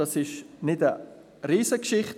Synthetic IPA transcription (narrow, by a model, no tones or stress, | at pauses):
ɑsɪʃnɪtə | ɾiːsəkʃɪχt